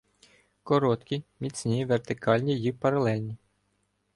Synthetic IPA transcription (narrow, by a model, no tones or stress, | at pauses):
kɔɾɔt̪kʲimʲit͡sʲnʲiʋert̪ɪkɑlʲnʲijipɐɾɐlˠɛlʲnʲi